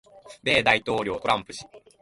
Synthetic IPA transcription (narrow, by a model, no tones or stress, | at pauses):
be̞ːd̪ait̪o̞ːɾʲo̞ːt̪o̞ɾãmpɯ̟̥ɕi̥